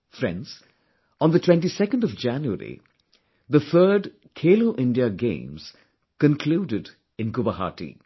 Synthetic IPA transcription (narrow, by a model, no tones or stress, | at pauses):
fɾɛ̰̃nz̥ | ɔ̃nd̪ətʰwɛ̃nʈisɛkə̃n̩dɔvd͡ʒæ̃njuə̰ɾḭ | ðəθʰəːɖ | kʰeːloʊʔɪ̃ndiəɡḛ̃ɪ̃mz̥ | kə̃nkʰluːdɪd | ɪ̃nkʊbəɦa̰ʈḭ